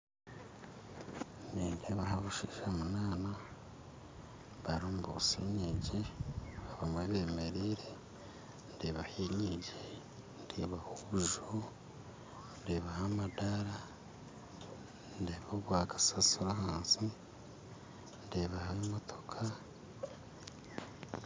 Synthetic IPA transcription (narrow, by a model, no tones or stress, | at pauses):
niːndeβaɦaβuʃiʃamunaːna | βaɾuːmbṵsiɲeɟiaβamweβeːmeɾiːɾe | ndeβaheɲɲiɟe | ndeβahouʒo | ndeβahamadaɾa | ndeːβoβwaːkḁsasuɾaɦaːnsi | ndeβahamotʰo̥kʰa